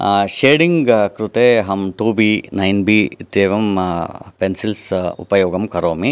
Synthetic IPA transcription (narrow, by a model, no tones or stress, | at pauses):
ʃeːɽiŋɡkɾut̪eːɦɐmʈuːbiːnɐjnbiːt̪eːʋɐmpensilsṵpɐjoːɡɐmkɐɾoːmi